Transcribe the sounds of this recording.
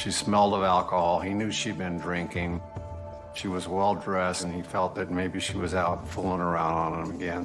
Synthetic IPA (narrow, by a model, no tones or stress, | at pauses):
ʃismɛlˠdəvælˠkəhɑlˠinjʉʃid̚bɨ̃ndɹɪ̃ŋkɪ̃ŋ | ʃiwʌzwɛlˠdɹɛsn̩ifɛlˠt̪̚ðɨt̚meɪbiʃiwʌzaʊtfulˠɪ̃ŋə˞ãʊ̃nd̃n̩ə̃mɨɡɛ̃n